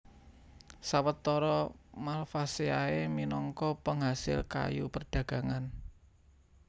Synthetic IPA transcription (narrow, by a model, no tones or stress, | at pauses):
sawət̪ːɔɾɔmalfaseaeminɔŋkɔpəŋɦasɪ̰lka̰jṵpərɖ̥ä̤ɡ̥a̤ŋan